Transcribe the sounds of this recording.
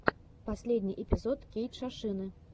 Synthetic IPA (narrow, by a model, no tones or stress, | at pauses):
pasʲlʲed̪ʲnʲiʔɛpʲizɔt̪kʲejt̪t͡ʂaʂɨnɨ